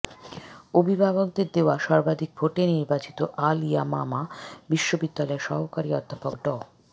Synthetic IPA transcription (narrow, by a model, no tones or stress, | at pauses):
obʱibʱaɡok̚d̪eɾd̪eoaʃɔɾbad̪ʱik̚bʱoʈeniɾbat͡ɕi̥t̪oʔalijama̰mabiʃːobid̪ːalɔeɾʃɔɦokaɾiɔd̪ʱːapok̚ɖɔ